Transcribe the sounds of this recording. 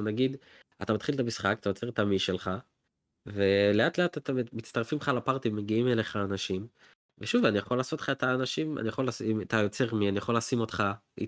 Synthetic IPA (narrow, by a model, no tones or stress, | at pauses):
naɡid̪ | at̪amat̪χilet̪amisχakat̪ajo̞t͡se̞ʁet̪amiʃelχa | ve̞leat̪le̞at̪at̪ammitt͡st̪aʁfimχalapaʁt̪imeɡiimeleχaːnaʃim | veʃuvanijaχo̞laːso̞tl̥χaet̪aːnaʃima̰nijaχo̞lasiat̪ajo̞t͡se̞ʁmianijaχo̞laːsimo̞t̪χaḭ